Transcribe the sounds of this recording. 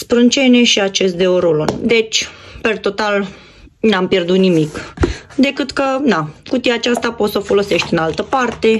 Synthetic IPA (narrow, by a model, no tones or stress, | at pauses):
spɾɨnt͡ʃe̞neʃiat͡ʃe̞st̪̚d̪e̞oɾolond̪e̞t͡ʃʲpe̞rt̪o̞t̪al | nampje̞rd̪ut̪nimikd̪e̞kɨt̪kənakut̪iat͡ʃast̪apot̪səofo̞lo̞se̞ʃt̪ʲɨnalt̪əpart̪e̞